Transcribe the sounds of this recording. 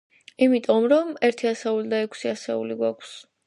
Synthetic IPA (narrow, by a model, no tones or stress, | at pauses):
imit̪ʼɔmɾɔmɛɾt̪ʰiasɛulid̪aɛkʷʰsiasɛṵliɡwakʰs